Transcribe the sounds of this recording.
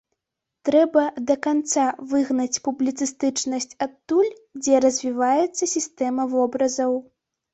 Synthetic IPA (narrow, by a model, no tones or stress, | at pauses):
t̪ɾɛbɐd̪ɐkant̪savɨɣnɐt͡sʲpublʲit̪sɨst̪ɨt͡ʂnɐsʲt͡sʲat̪ːulʲd͡zʲɛɾɐzʲvʲivajɛt̪sːɐsʲist̪ɛmɐvɔbɾɐzɐw